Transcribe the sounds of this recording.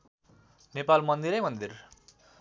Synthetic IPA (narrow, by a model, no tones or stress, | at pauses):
nepalmʌnd̪iɾʌjmʌnd̪ir